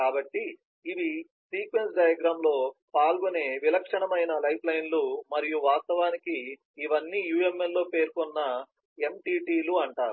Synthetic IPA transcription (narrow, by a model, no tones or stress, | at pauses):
kaːbɐʈːiː | ʋi | siːkʋe̞nsɖaːjɐɡɾaːmlo̞ːpaːlɡone̞ːʋilɐkʂɐɳɐmɐjnɐlɐjplɐjnlumɐɾijuʋaːst̪ɐʋaːnikiː | ʋɐnːiːjuːe̞mːelːo̞ːpe̞ːɾkɔnːɐ | e̞mʈiːʈiːluɐɳʈaːɾu